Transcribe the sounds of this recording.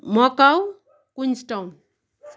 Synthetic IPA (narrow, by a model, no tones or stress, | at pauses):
mɔkaw | kuɲsʈawn